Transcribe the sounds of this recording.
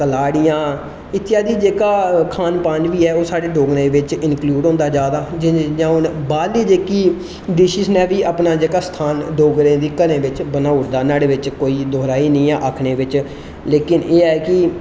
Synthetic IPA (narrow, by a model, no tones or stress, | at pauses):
kəlaːɽɪjãː | ɪt̪ːɪjaːd̪iːd͡ʒeːkaːkʰaːnpãːnʋiːɛːoːsaːɽeːɖoːɡnẽːʋɪt͡ʃɪnkluːɖɦõːnd̪aːd͡ʒaːd̪aːd͡ʒɪd͡ʒãːʊnbaːliːd͡ʒeːkiː | d̪ɪʃisnɛːʋiːʔaːpnaːd͡ʒeːkaːst̪ʰaːnɖoːɡɾẽːd̪iːkəɾẽːʋɪt͡ʃbənaːʊɽd̪aːnaːɽeːʋɪt͡ʃkoːiːd̪oːɾaːiːnĩːãːʔakʰɳeːʋɪt͡ʃ | leːkɪneːɛːkɪ